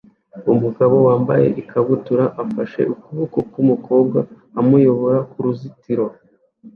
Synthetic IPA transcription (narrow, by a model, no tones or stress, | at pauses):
umuɡaβo̞waːmba̰je̞̰ʔikaβutuɾaʔafaʃe̞̰ʔukuβukokumuko̞ːb̚ɡaː | mujo̞βo̞ɾakuɾuzitiɾo̞